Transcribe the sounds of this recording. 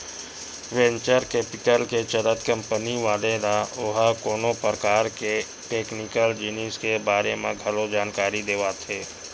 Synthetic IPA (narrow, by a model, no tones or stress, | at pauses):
ʋɛ̃ɲt͡ʃəɾkeːpɪʈəlket͡ʃəɾət̪kɐ̃mpəniʋaːled̪aʊɦəkoːnopɾəkaːɾke | ʈeːknɪkəld͡ʒɪniskebaːɾemẽɡʱɐlod͡ʒaːnkaːɾid̪eːʋat̪ʰeː